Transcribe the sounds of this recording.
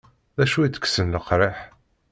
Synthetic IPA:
ðæʃuit͡sːə̥kːsənləqɾˤeħ

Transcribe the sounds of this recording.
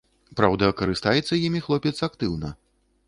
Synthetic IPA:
pɾawd̪ɐkɐɾɨst̪ajɛt̪sːɐjimʲixlˠɔpʲɛt̪sɐakt̪ɨwnɐ̰

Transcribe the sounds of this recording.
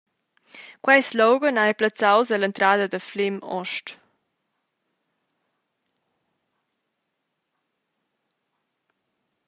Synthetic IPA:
kwajslɔwɡənajplat͡sawzəlɛnt̪ɾaːd̪əd̪əflɪmɔ̰ʃʈ

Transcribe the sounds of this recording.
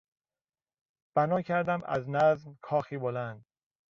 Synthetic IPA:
b̥ænɒːcʰæɾd̪æmʔæ̰znæzmkʰɒːxiːbolænd̪

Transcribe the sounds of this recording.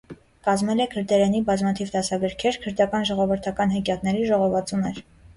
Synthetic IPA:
kɑzmɛlɛkʰəɾd̪ɛɾɛnibɑzmɑt̪ʰivd̪ɑsɑɡəɾkʰɛɾkʰəɾd̪ɑkɑnʒɔʁɔvəɾt̪ʰɑkɑnɦɛkjɑk̪nɛɾiʒɔʁɔvɑt͡sunɛɾ

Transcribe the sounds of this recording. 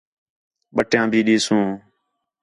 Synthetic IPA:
ɓəʈjãːbʱiːɗiːsũː

